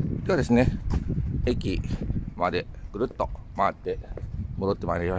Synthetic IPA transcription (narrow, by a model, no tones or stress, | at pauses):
k̪ead̪esɨne | ekimad̪eɡ̥ɯɾɯt̪ːomat̪ːemoɾot̪ːemaneia